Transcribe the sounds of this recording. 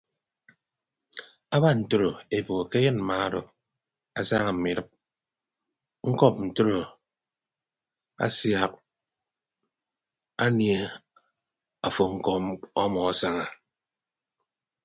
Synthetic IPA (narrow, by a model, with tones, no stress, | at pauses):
a˦ba˦n̩˨to˦ɾo˨e˨bo˨o˨ke˦jnm̩˨ma˦do˨ | a˨sa˦ŋa˨m̩˨mi˨ɾɨ˦p̚ | ŋ̩˦kɔ˦˨p̚n̩˨to˦ɾo˨ | a̰˦sja˨k̚ | a˦nje˦˨ | a˨fo˨ŋ̩˦kɔ˦mɔ˦mɔ˨a˦sa˦ŋa˨